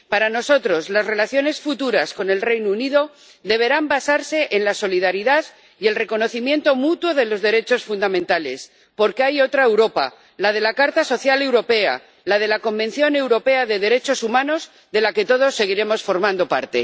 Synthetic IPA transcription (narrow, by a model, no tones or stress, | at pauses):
paɾano̞so̞t̪ɾo̞zlaszre̞laθjo̞ne̞sfut̪uɾasko̞ne̞lrejnouniðo̞ | d̪e̞β̞e̞ɾambasaɾse̞ʔenlaso̞liðaɾiðað | ie̞lre̞ko̞noθimje̞nt̪o̞mut̪wo̞ðe̞lo̞zðe̞ɾe̞t͡ʃo̞sfund̪amẽnt̪ale̞s | po̞ɾkeajo̞t̪ɾae̞wɾo̞pa̰ | lað̞e̞lakaɾt̪aso̞θjale̞wɾo̞pe̞a̰ | lað̞e̞lako̞mbe̞n̟θjo̞ne̞wɾo̞pe̞aðe̞ðe̞ɾe̞t͡ʃo̞sumãno̞z | ðe̞lake̞t̪o̞ð̞o̞sːe̞ɣ̞iɾe̞mo̞sfo̞ɾmãnd̪o̞pa̰ɾt̪e̞̰